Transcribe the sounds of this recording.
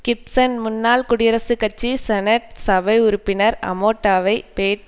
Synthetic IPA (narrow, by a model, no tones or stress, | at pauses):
kɪp̚sɐnmʊnːaːlkʊɽɪjɐɾɐsɯkɐt͡ʃːisɛnɐʈ̚sɐʋɐɪʊɾʊpːɪnɐɾɐ̰moːʈːaːʋɐɪpeːʈ